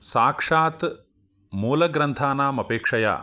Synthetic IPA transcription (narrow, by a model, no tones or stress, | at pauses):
saːkʂaːt̪ | muːlɐɡɾɐnt̪ʰaːnaːmɐpeːkʂɐja̰ː